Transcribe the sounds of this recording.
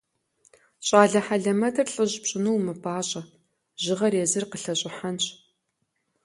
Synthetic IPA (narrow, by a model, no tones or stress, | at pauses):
ɕʼaːɮɐħaɮɐmɐtʰɐrɬʼɨʑpɕʼɪnuwmɨpʰaːɕʼɐ | ʒɪʁɐɾeːzɨrqəɬɐɕʼɪħanɕʼ